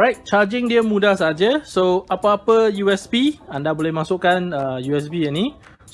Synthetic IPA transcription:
ɔɹajt̚t͡ʃad͡ʒɪŋdiəmudahsaad͡ʒəsoapaapəjuɛsbiandabolɛhmasuʔkanəjuɛs̬biəni

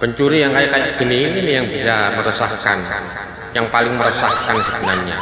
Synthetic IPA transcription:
b̥əɲt͡ʃuɾijaŋkajakajaɡ̥i̤niːninijaŋb̥isaməɾəsahka̰n | jaŋpalɪŋməɾəsahkansəɡṳnalɲa

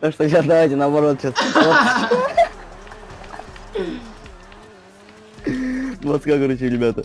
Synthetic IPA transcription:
t̪akʂt̪osʲasd̪ɐvajtʲɪnəːbɐɾo̞t̪ɕasot | nvot̪skakɐɾut͡ɕɪɾʲɪbʲat̪ə

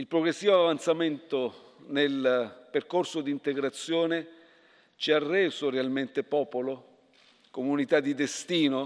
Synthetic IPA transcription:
ilpɾoɡɾesːiːvoavant̪sament̪o | nelperkorsod̪iːnt̪eɡɾat̪sːjoːne | t͡ʃiarːɛːsorealment̪epɔːpolo | komunit̪ad̪ːid̪est̪iːno

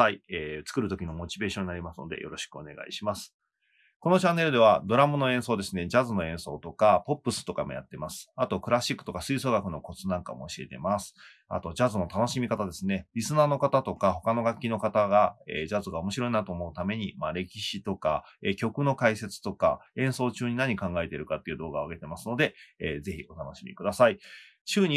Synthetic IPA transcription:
aieːt͡sɨ̥kɯ̟ɾɯ̟t̪o̞kʲino̞mo̞t͡ɕibe̞ːɕõɲ̟inaɾʲimasɨno̞̰d̪e̞̰jo̞ɾo̞ɕi̥kɯo̞̰ne̞̰ɡa̰ḭɕimasɨ̥ | ko̞no̞t͡ɕãnːe̞ɾɯ̟d̪e̞β̞ad̪o̞ɾamɯno̞ẽ̞ɰ̃so̞ːd̪e̞sɨne̞d͡ʑazɨno̞ẽ̞ɰ̃so̞ːt̪o̞kapo̞pːɯ̟sɨ̥t̪o̞ka̰moja̰t̪ːe̞masɨ̥at̪o̞kɯ̟ɾaɕikːɯ̥t̪o̞kasɨiso̞ːɡakɯ̟no̞ko̞t͡sɨnãŋka̰mo̞ːɕie̞t̪e̞̰masɨ̥ | a̰t̪o̞d͡ʑazɨno̞t̪ano̞ɕimʲikat̪ad̪e̞sɨne̞ɾʲisɨnaːno̞kat̪at̪o̞kaho̞kano̞ɡakʲːino̞kat̪aɡaeːd͡ʑazɨɡao̞mo̞ɕiɾo̞inat̪oːmo̞ɯ̟t̪ame̞ɲ̟imaɾe̞kʲiɕit̪o̞ka̰ekʲo̞kɯ̟no̞kaise̞t͡sɨ̥t̪o̞ka̰ẽ̞ɰ̃so̞ːt͡ɕɨːɲ̟inaɲ̟ikãŋɡae̞t̪e̞ɾɯ̟kat̪ːeiɯ̟ːd̪o̞ːɡaoaɡe̞t̪e̞masɨno̞d̪e̞eːze̞çio̞t̪ano̞ɕimʲḭkɯ̟d̪asai | ɕɨːɲ̟i

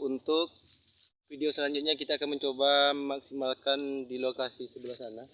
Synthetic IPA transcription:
unt̪ʊk̚ | fideosəlaɲd͡ʒʊt̪̚ɲakit̪aːkanməɲt͡ʃobamaksimalkandilokasisəbəlahsana

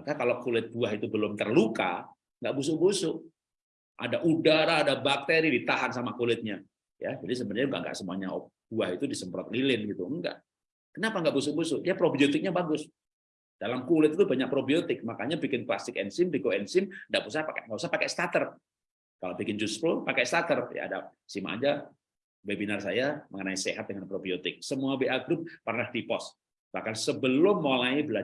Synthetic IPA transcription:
makakalowkulɪt̪̚buaɦit̪ubəlʊmt̪ərluka̰ | ŋɡaʔbus̬ʊʔbusʊʔ | ʔa̰daʔudaɾaːdabak̚t̪eɾidit̪aɦansamakulɪt̪̚ɲa | ja̰d͡ʒadis̬əbənaŋɡa̰ʔŋɡa̰ʔsəmua̰ɲaɔ̰ | b̥uahit̪udisəmpɾɔt̪̚lilɪnɡit̪uəŋɡa̰ʔ | kənapaŋɡaʔbus̬ʊbusʊʔijapɾobiot̪ɪk̚ɲabaɡʊs | d̥alamkulɪt̪̚it̪ubaɲak̚pɾobiot̪ɪk̚makaɲabikɪnkla̰st̪ɪkɛnsɪmdikoɛnsɪmndaʔpusahpakŋapus̬apakɛ̰st̪at̪ər | kalobikɪnd͡ʒuspɾopakɛst̪at̪ərja̰a̰da̰sima̰ʔa̰d͡ʒa | bebinarsajaməŋənaisḛɦat̪̚dəŋanpɾobiot̪ɪk̚səmuabeaɡɾʊp̚ːərnahdipɔs | b̥ahkansəbəlʊmːolaibəla

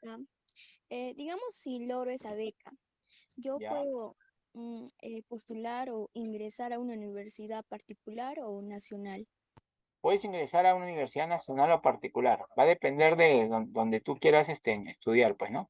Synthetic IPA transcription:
a | ed̪iɣamosːiloɣɾoesaβeka | ɟ͡ʝo̞jaweðo | epost̪ulaɾoiŋɡɾesaɾaunauniβe̞ɾsiðapaɾt̪ik̚ulaɾonasjo̞nal | pwe̞ðesiŋɡɾe̞saɾaunauniβeɾsiðanasjo̞nalo̞paɾt̪ikulaɾbaðe̞pe̞nd̪e̞ɾðed̪o̞nd̪e̞t̪ukje̞ɾasest̪eest̪uðjaɾpwesno̞

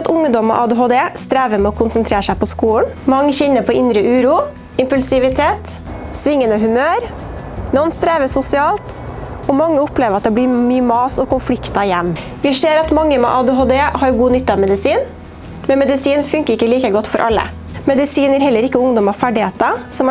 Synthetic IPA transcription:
t̪ʊŋd̪ɔmɔ̰ʔɑd̪eɦoːd̪eːst̪ɾæːʋəmɛɔkʰʊnsənt̪ʰɾeːɾʂæɪpɔskuːlnmɑŋːəçɛnːəpʰɔɪnd̪ɾəʔʉːɾuː | ɪmpʉlsɪʋɪt̪ʰeːt̪ | sʋɪŋːənəɦʉmøːɾ | nɔnst̪ɾeːʋəsʊsɪɑːlt̪ | ɔmɑŋːəʊpleːʋəɾɑt̪̚d̪ɛblɪmyːəmɑːsɔkʊnflɪkt̪ɑɪjɛmː | ʋɪʂeːɾɑt̪mɑŋːəmɛ̰ʔɑːd̪eɦoːd̪eːhɑɾɡuːnʏt̪ːɑɑʋmɛd̪ɪsiːn | mɛnmɛd̪ɪsiːnfʉŋkəɾɪkːəliːkəɡɔt̪ːfɔɾʔɑ̰lːə̰ | mɛd̪ɪsiːnæɾhɛlːəɾɪkːəʊŋd̪ɔmɑʋfæɖɪheːt̪ɑsɔm

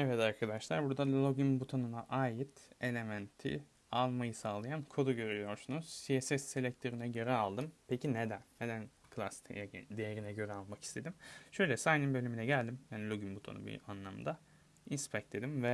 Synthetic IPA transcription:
evɛd̪aɾkʰad̪aʃlˠaɾbuɾd̪alʲo̞ɟimbut̪ʰo̞nunaʔaːjit̪e̞lʲe̞mænt̪ʰḭ | alˠmajɯsaːlˠajankʰo̞d̪uɟø̞ɾyyjo̞ɾsunuz̥siesɛsːelʲɛc̚t̪ʰeɾinɛɟøɾɛalˠd̪ɯmpʰecʰined̪ænːed̪ænkʰɯlˠasi̥t̪ʰḛjɛd̪ejeɾinɛɟø̞ɾɛalˠmaki̥st̪ʰe̞d̪imʃø̞jlʲɛsajninbø̞lʲyminɛɟælʲd̪imjaːnilʲo̞ɟymbut̪ʰo̰nṵbḭanlˠamd̪a | inspʰɛc̚t̪ʰe̞d̪imvɛ

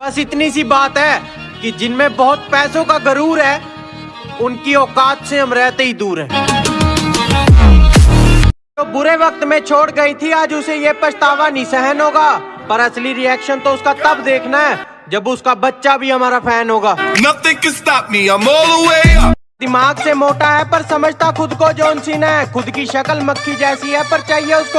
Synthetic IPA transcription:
bɐsɪt̪nis̬ibaːt̪ɦɛː | kid͡ʒɪnmẽbɔːt̪pɛːsõkazəɾuːɾɦɛː | ʊnkiɔːkaːt̪seɦɐmɾɛːt̪eɦid̪uːɾɦɛ̃ː | t̪oːbʊɾeʋək̚t̪mẽt͡ʃʰoːʈɡəit̪ʰiaːd͡ʒʊsejepət͡ʃt̪aːʋanĩsɛɦənɦoːɡaːpəɾɐsliɾɪɛːkʃənt̪oʊskat̪ɐbd̪eːkʰnaɦɛː | d͡ʒɐbʊskabətːʃabʱiɦəmaːɾapʰɛːnɦoːɡaːnɐt̪ikɪst̪aːpniamoːlʊe | d̪ɪmaːɡsemoːʈaɦɛpəɾsəməd͡ʒʱt̪akʊd̪kod͡ʒoːnsiːnaɦɛxʊd̪kiʃəkəlməkʰːid͡ʒɛːsiɦɛpɐɾt͡ʃaːɦieʊsko

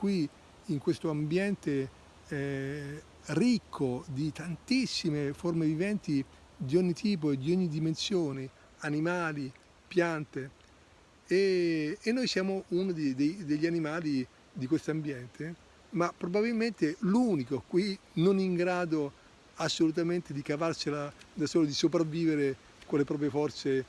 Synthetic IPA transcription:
kwi | iŋkwest̪oambjɛnt̪e | ɛ | rikʰːod̪it̪ant̪isːimeformevivɛnt̪i | d̪iɔɲːit̪ʰiːp̬oed̪ːiɔɲːid̪imensjoːne | animaːli | pjant̪e | eːnːojsjaːmounod̪ed̪ejd̪eʎːanimaːli | d̪ikwest̪ambjɛnt̪ʰe | mapːɾobabilment̪eluːnikokwinoniŋɡɾaːd̪o | asːolut̪̬ament̪ed̪ikavarselad̪asoːlod̪isopɾavːiːveɾe | kolːepɾɔːp̬ɾjefɔrt̪se

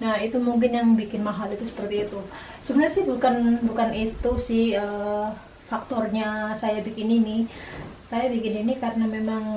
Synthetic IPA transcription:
nahit̪umuŋk̬ɪnjaŋbikɪnmaɦalit̪usə̥pərt̪iːt̪u | səbənasɪhbukanbukanit̪usɪhəː | fak̚t̪ɔrɲasajabikɪninɪhsajabikɪninikaɾənamemaŋ

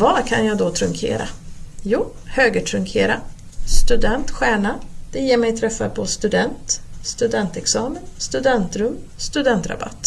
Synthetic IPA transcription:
vɑɾkʰanjɑːɡd̪ɔt̪ʰɾɵŋkʰḛːɾa̰juː | høːɡəʈʰɾɵŋkʰḛːɾa | st̪ɵd̪ɛnt̪ɧæːɳad̪̥ɛjeːɾmɛjt̪ʰɾɛfːa̰pʰɔst̪ɵd̪ɛnt̪st̪ɵd̪ɛnt̪ɛksɑːmənst̪ɵd̪ɛnt̪ɾɵmst̪ɵd̪ɛnt̪ɾa̰ba̰t̪ː

